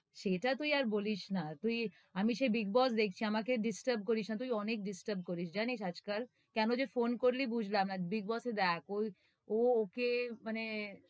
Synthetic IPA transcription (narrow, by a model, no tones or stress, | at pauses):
ʃeʈat̪ujaɾboliʃnat̪uj | amiʃebiɡ̚bɔsd̪ek̚ʰt͡ɕʰiamakeɖisʈəɾb̚koɾiʃnat̪ujɔnek̚ɖisʈəɾb̚koɾiʃd͡ʑaniʃad͡ʑkal | kɛnod͡ʑefonkoɾlibud͡ʑʱlamnabiɡ̚bɔsed̪ɛkoj | ookemane